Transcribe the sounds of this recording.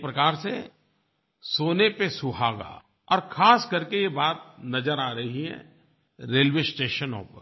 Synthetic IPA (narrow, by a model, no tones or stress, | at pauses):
pɾɐkaːɾse | soːnepesʊɦaːɡa̰ː | ɔːɾkʰaːskɐɾkejebaːt̪̚nɐd͡ʒəɾaːɾɐɦiɦɛ̰̃ | ɾeːlwesʈeːʃənõ̰ːpəɾ